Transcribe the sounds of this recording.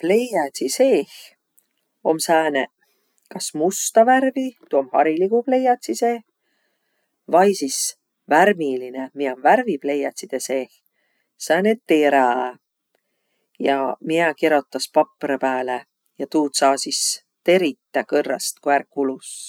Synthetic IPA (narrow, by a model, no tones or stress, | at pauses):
ple̞jɑt̪ʲsise̞ːx | o̞msæːne | kɑsmust̪ɑværvit̪uomhɑɾiliɡuple̞jɑt̪ʲsiseː | vɑjsis | værmilinemiomværviple̞jɑt̪ʲsid̪̥ese̞ːx | sæːnet̪ːeɾæ | jɑ̰miɛkeɾo̞t̪ːˑɑspɑpːɾepæːle | jɑt̪uːt̪sɑːsis | t̪e̞ɾit̪ːækɤrːɑ̰st̪koærkːulus